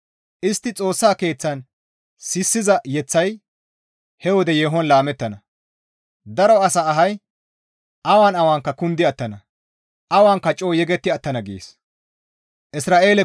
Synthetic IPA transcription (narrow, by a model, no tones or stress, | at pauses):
ʔɪst̪ːɪt͡sʼo̞ːsːaːke̞ːt͡sːɐn | sɪsːɪzɐjɛt͡sːɐj | hɛwɔd̪ɛjeːɦɔnlaːmɛt̪ːɐnɐ | d̪ɐɾɔɐsaːɦɐj | ʔɐwaːnɐwaːŋkːɐkʊnd̪ɪɐt̪ːɐnɐ | ʔɐwaːŋkːɐt͡ʃʼoːjɛɡɛt̪ːɪɐt̪ːɐnɐɡḛːs | ʔɪsɾaːʔe̞ːlɛ